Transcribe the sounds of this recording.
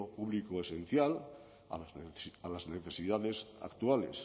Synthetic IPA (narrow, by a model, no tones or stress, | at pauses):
opuβlikoesẽn̟θjal | a̰alazneθe̞siðaðe̞sa̰kt̪uale̞̰s